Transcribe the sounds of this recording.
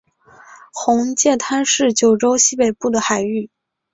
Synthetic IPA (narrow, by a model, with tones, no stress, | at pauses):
xʊ˧˥ŋt͡ɕjɛ˥˩t̪ʰa˥nʂɻ̩˥˩t͡ɕjo˨˩ʊʈ͡ʂo˥ʊɕi˥pe˨˩ɪpu˥˩d̪ə˩xa˨˩ɪy˥˩